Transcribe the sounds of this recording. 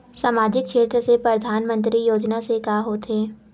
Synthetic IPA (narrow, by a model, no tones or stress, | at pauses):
saːmaːd͡ʒɪkkʃeːt̪ɾəsepɾɐd̪ʱaːnmə̃nt̪ɾijoːd͡ʒnasekaːɦoːt̪eː